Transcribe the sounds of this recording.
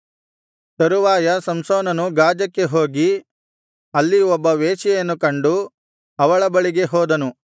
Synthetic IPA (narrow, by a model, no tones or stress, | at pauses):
t̪ɐɾuʋaːjɐsɐmsoːnɐnuɡaːd͡ʒɐkːe̞ɦoːɡi | ɐlːiɔbːɐʋeːʃɛjɐnːukɐɳɖu | ɐʋɐɭɐbɐɭiɡe̞ɦɔːd̪ɐnu